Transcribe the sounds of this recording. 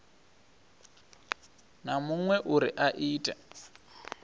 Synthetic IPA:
namuŋwɛʔuɾḭʔaʔiːtʼɛ

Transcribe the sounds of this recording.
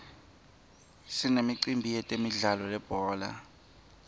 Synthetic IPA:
sinemiǀimbʱijɛtʼemiɮalɔlɛb̥ʱɔːla̰

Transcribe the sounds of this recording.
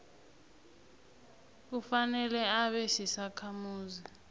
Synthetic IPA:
k̬ufanɛlɛaɓɛsisakʰamuːzi

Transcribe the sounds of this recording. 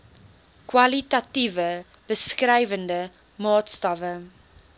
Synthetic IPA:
kwɐlitɐtivəb̥əskrɛjvəndə | mɑːtstɐvə

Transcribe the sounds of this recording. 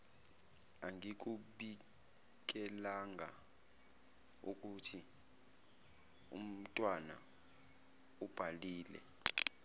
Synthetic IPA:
aŋik̬ʼuɓi | k̬ʼɛlaŋa̰ | uk̬ʼutʰi | ṵm̩tʼwana̰ | ub̥ʱaliːlɛ̰

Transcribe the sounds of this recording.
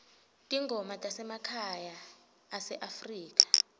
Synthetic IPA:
tʼiŋɡʱɔmatʼasɛmakʰajaː | sɛʔafriːkʼḁ

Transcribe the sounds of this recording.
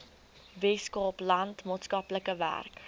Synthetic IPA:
vɛskɔplɐntmɑːtskɐpləkəvæ̰rk

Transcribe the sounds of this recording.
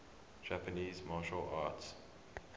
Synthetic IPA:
d͡ʒæpəniːzmɑːʃəla̰ːts

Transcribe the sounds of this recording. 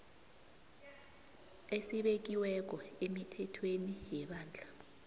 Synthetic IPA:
esiɓek̬iwɛk̬ɔemitʰɛtʰwenijɛɓaːnd͡ɮʱa

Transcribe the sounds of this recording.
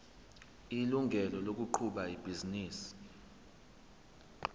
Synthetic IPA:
iluŋɡʱɛlɔlok̬uǃʰuɓaib̥ʱiziniːsi̥

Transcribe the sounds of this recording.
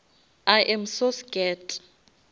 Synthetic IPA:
aʔɛmsosɡɛtʼ

